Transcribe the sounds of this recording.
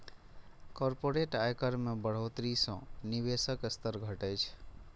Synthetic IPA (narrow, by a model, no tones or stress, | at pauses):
kɔɾpoɾeʈajkəɾmebəɽ̤ɦot̪ɾisə̃niβesəkst̪əɾɡʱəʈəjt͡ʃʰ